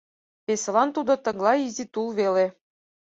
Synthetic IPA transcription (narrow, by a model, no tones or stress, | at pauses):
pesɤ̆lɑnt̪ud̪ɤ̆t̪ɤ̆ɣlˠɑizʲit̪ulˠβele